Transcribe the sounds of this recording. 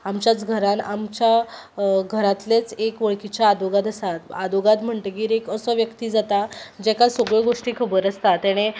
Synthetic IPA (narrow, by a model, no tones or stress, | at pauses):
amt͡ɕjat͡sɡʱəɾãnamt͡ɕja | ɡʱəɾat̪let͡sekʋəɭkit͡ɕaːd̪oɡat̪əsat̪ad̪oɡat̪m̤əɳʈeɡiːɾekəsəʋjəkt̪iːd͡zat̪ad͡ʑɛkasoɡɭeɡoʂʈiːkʰəbəɾəst̪at̪ɛɽ̃e